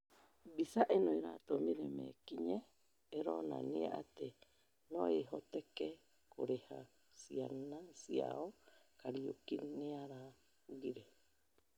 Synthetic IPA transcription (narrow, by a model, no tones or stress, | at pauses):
bisaʔinojɾat̪omiɾemḛkiɲeː | ɾona̰niaʔat̪e | noeɦot̪eke | koɾeha | sianasia̰okaɾiukinniaɾa | uɡiɾe